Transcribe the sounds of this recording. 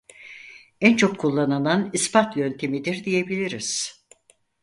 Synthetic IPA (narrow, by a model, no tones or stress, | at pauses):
ænt͡ʃʰo̞kʰːulˠːanananispat̪jønt̪ʰemid̪iɾd̪ije̞bilʲiɾiz̥